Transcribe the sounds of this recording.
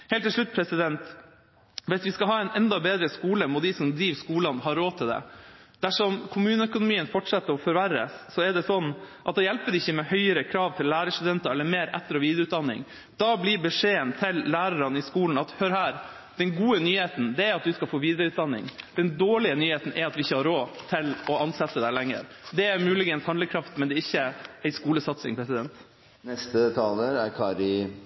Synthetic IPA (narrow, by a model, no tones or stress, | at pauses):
heːlt̪ʰːɪlʂɭʉt̪̚ːpʰɾɛsɪd̪ɛnt̪ | ʋɪsʋɪskɑɦɑːɛɪnɛnd̪ɑbeːd̪ɾəskuːləmɔt̪d̪ɪsɔmd̪ɾiːʋskuːlɑnhɑːɾoːt̪ʰɪld̪ɛ̰d̪̥æʂɔmkʰʊmʉːnəœkʊnʊmiːənfɔʈʂɑt̪ːəɾɔfɔɾʋæɾːə̰sːɔɛɖɛsɔnːʔɑt̪̚d̪ɛjɛlpəɾɪçːəmɛhœʏəɾəkʰɾɑːʋt̪ʰɪllːæːɾəst̪ʉd̪ɛnt̪ɑɛlːəɾmeːɾɛ̰t̪ːəɾɔʋiːd̪ɾʉːt̪̚d̪ɑnːɪ̰ŋ | d̪ɑbliɾbəʂeːənt̪ʰɪlːæːɾɑɾɑnɪskuːln̩ɑt̪hœɾhæːɾ | d̪̥ɛnɡuːənyːheːt̪n̩d̪ɛæɾɑt̪̚d̪ʉskɑlfoːʋiːd̪əɾəʉːt̪̚d̪ɑnːɪ̰ŋd̪̥ɛnd̪oːɭɪənyːheːt̪n̩ʔɛɾɑt̪ʋɪɪçːəhɑɾoːt̪ʰɪlɔɑnsɛt̪ːəd̪ɛlæŋːə̰ɾ | d̪ɛæɾmʉːlɪɡənshɑnd̪əkʰɾɑft̪mɛnd̪ɛɪçːəæɪskuːləsɑt̪sɪ̰ŋpʰɾɛsɪd̪ɛnt̪ | nɛst̪ət̪ʰɑːləɾæ̰ɾkʰɑːɾɪ